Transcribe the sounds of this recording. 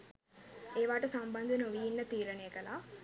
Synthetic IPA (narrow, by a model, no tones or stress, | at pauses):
eːʋaːʈɐsɐmbɐnd̪ʱɐnoʋijinːɐt̪iːɾɐnejɐkɐlaː